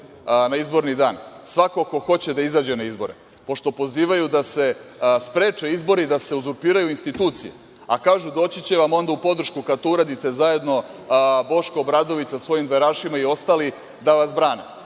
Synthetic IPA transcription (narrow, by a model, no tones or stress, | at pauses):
naizbo̞ɾnid̪aːnsʋako̞ko̞xo̞t͡ɕe̞d̪aizaːd͡ʑe̞naizbo̞ɾḛ | po̞ʃt̪o̞po̞ziːʋajud̪ase̞spɾe̞ːt͡ʃe̞izbo̞ɾid̪aseuzuɾpiːɾajuinst̪it̪uːt̪sijḛ | a̰kaːʒud̪o̞ːt͡ɕit͡ɕe̞ʋamo̞nd̪aupo̞d̪r̩ʃkukad̪̚t̪ouɾaːd̪it̪e̞zaje̞d̪no̞ | bo̞ʃkobɾad̪o̞ʋit̪sasʋo̞jimd̪ʋeɾaːʃimaio̞st̪ali | d̪aʋasbɾaːnḛ